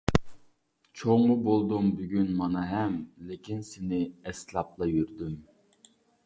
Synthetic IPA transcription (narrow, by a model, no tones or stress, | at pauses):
t͡ʃʰoŋːʊbolˠd̪umbyɡʲynmɑnɑɦɛmlekʲinsɪnɪɛslˠɑp̚lˠɑjyɾd̪ym